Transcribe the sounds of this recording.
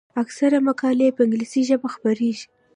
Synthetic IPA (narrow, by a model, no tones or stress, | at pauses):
aksaɾamakɑlepəɪŋɡlisiʒəbaxpaɾeʒi̥